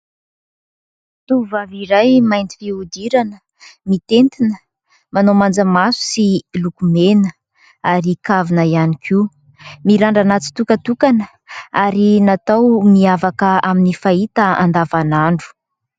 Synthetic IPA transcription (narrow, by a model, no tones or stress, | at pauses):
t̪uvaviɾajmajnt̪i̥viud̪iɾanə | mit̪ent̪inə | manomand͡zəmasu̥silukumenə | aɾikavinəianikʰi | miɾaɳɖ͡ʐanat͡si̥t̪ukət̪ukanə | aɾinat̪awmiavakəaminifait̪əa̰nd̪avanaɳɖ͡ʐu̥